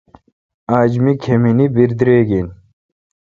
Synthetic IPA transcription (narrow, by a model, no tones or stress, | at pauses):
aːd͡ʑmikʰeminibiɾd̪ɾeːɡin